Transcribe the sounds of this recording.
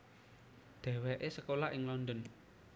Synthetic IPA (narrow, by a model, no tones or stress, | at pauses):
d̪̥ɛ̤wɛʔesəkolaʔɪŋlɔnd̪ɔn